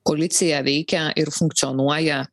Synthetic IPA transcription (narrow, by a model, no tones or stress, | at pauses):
koːlʲɪt̪sʲɪjɛʋʲɛɪkʲɛʔɪɾfʊŋk̚t̪sʲɪɔnuɔjɛ